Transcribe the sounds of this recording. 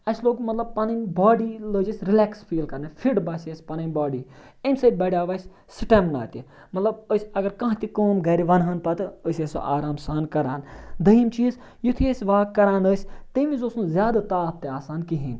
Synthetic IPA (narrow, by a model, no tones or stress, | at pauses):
ɐsloːkmɐt̪lɐb̚pɐnɐnbaːɖiləːd͡ʒɐsʲɾilɛːksfʰiːlkɐɾnɐfʰiɖbaːsɐsʲpɐnɐnbaːɖi | ɐmʲsɐt̪̚ʲbɐɽʲaːʋaːsʲ | sɨʈɐmna̰ːt̪i | mɐt̪lɐb̚əːsʲɐɡɐɾkɐ̃ɦt̪ikoːmɡɐːɾiʋɐnɦɐnpɐt̪ɨəsʲeso̰ʔaːɾaːmsaːnkɐɾaːnd̪ɐimt͡ʃiːz | jut̪ʰiesʲʋaːkːɐɾaːnəːsʲt̪ɐʋĩzosnuzʲjaːd̪at̪aːt̪̚t̪eaːsaːnkiɦinʲ